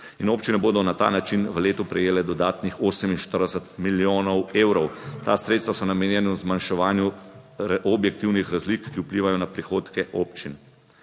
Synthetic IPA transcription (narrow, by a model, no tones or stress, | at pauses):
inoːpt͡ʃinɛboːd̪ɔnat̪a̰ːnat͡ʃinʋəleːt̪upɾɛjeːlɛd̪ɔd̪aːt̪nixoːsɛminʃt̪əɾd̪ɛsət̪miljoːnɔweːwɾɔwt̪a̰sɾeːt̪st̪ʋasɔnameːnjɛnɛwzmanʃɛʋaːnju | objɛk̚t̪iwnixɾazlikːiupliːʋajɔnapɾixoːt̪kɛʔoːpt͡ʃin